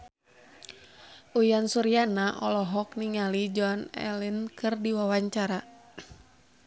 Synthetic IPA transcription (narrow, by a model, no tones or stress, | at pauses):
ʔujansuɾianaʔɔlɔɦɔk̚niŋalid͡ʒɔnɛ̰linkɨrdiwawaɲt͡ʃaɾa